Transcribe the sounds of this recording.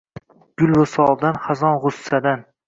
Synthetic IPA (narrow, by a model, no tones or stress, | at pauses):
ɡ̥ʊlwasɒlˠd̪anχazɒnʁʊsːad̪an